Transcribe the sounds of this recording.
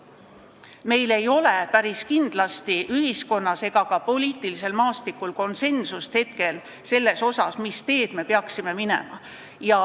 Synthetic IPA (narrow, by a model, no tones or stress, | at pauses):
me̞jle̞jo̞le̞pæɾiskind̪̥lɑst̪iʔyɦisko̞nːɑse̞ɡ̥ɑkɑpo̞liːt̪ˑilise̞lmɑːst̪ikˑulko̞nse̞nsust̪he̞t̪̚ke̞l | se̞lːe̞so̞sɑsmist̪e̞ːd̪̥me̞peɑksime̞mine̞̰mɑ | jɑ